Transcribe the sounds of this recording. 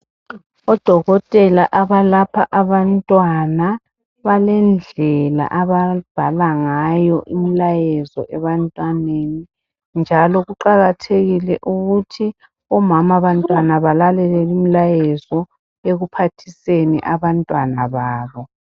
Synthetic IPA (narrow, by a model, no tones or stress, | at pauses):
ɔd̥ʱɔɣɔtʼɛlaʔaβalapʰaʔaβantʼwana | βalɛnd͡ɮʱɛla̰ʔaβab̥ʱalaŋajɔʔimilajɛzɔ̰ʔɛβantʼwaneni | nd͡ʒʱalɔɣuǃaɣatʰeɣilɛʔuɣutʰi | ɔmamaβantʼwanaβalalɛlɛlimilajɛzɔ | eɣupʰatʰisenḭʔaβantʼwanaβaːβɔ